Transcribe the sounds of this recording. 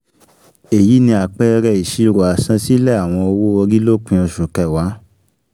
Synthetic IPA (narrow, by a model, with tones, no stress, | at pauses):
e˨ji˨˦nĩ˧a˨k͡pɛ˦˧ɾɛ˧˨i˨ʃi˧˦ɾo˨a˨sã˧˦si˦lɛ˦˨a˨w̃ɔ̃˧o˧wo˦o˧ɾi˦lo˦k͡pĩ˧ɔ˧ʃu˨kɛ˨wa˨˦